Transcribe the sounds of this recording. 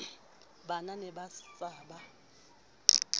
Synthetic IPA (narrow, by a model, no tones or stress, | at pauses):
bananɛbat͡sʼaːba